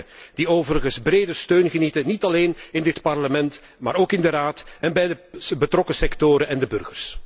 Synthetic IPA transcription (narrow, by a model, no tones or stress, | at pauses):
d̥ioːvəɾəɣənzbreːdəstøːnɣənitənitɑleːnɪndɪtpɑrləmɛnt | ma̰ːɾoːkɪndəɾaːtɛnbɛjdəbətrɔkəsɛktoːɾənɛndəbɵrɣərs